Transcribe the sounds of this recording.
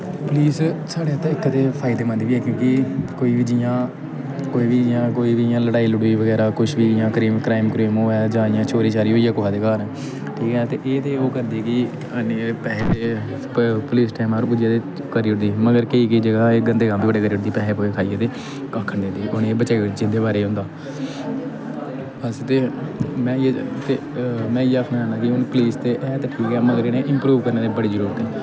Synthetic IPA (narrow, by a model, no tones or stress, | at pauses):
pʊliːssaːɽeːt̪ːɪkːt̪eːpʰaːɪd̪eːmə̃nd̪ʋiːɛːkjõːkɪkoːiːʋiːd͡ʒɪjãː | koːiːʋijãːkoːiːʋijãːləɽaːiːlʊɽiːʋəɡɛːɾaːkʊʃʰʋiːd͡ʒɪjãːkəɾiːmkɾaːɪmkɾeːmoːɛːd͡ʒãːɪjãːt͡ʃʰoːɾiːt͡ʃaːɾiːɦoːiːɛːkʊɦaːd̪eːkaːɾ | ʈʰiːkɛt̪eːʔeːt̪eːoːkəɾd̪iɛkɪ | ənepɛːpeː | pʊliːsʈaːɪmaːɾːbʊd͡ʒjaːd̪eː | kəɾiʊʈd̪iːməɡəɾkəiːkiːd͡ʒəɡaːeːɡənd̪eːɡãːmd̪eːbəɽeːkəɾiːɽd̪iːpɛːeːpoːekʰaːiːeːt̪eː | kaːkʰːəɳd̪ɪ̃nd̪iːʔʊneːbət͡ʃaːioɽid͡ʒɪd̪eːbaːɾeːɦʊ̃nd̪aː | əst̪eːmɛ̃ːet̪eːmɛ̃ːɪːaːkʰnãːd͡ʒaːnaːkɪʊnpəliːst̪eːʔɛːt̪eːʈʰiːkɛːməɡəɾeːneːʔɪmpɾuːʋkəɾneːt̪eːbəɽiːd͡ʒəɾuːɾət̪ɛː